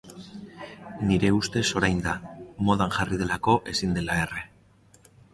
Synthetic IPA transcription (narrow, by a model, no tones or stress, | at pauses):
niɾe̞ust̪e̞so̞ɾajnd̪amo̞ð̞anʝarið̞e̞lako̞ʔe̞sind̪e̞lae̞re̞